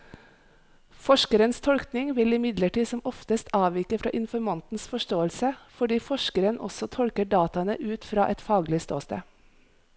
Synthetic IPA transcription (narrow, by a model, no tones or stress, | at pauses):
fɔʃkəɾənst̪ʰɔlknɪŋʋɪlɪmɪd̪ləʈiːsɔmɔft̪əst̪ɑːʋiːkəfɾɑ̰ːʔɪnfɔɾmɑnt̪n̩sfɔʃtoːəlsəfɔɖiːfɔʃkəɾənʔɔ̰sɔt̪ʰɔlkəɖɑːt̪ɑnə̰ʔʉːt̪fɾɑ̰ːʔɛt̪fɑːɡlɪst̪o̰ːst̪ə̰ː